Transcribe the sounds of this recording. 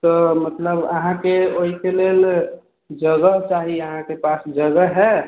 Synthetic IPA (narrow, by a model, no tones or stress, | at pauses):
t̪ɔmət̪ləbə̰ɦãkeoɦikelel | d͡ʒəɡəɦt͡ʃaɦiəɦãkepasd͡ʒəɡəɦɦɛ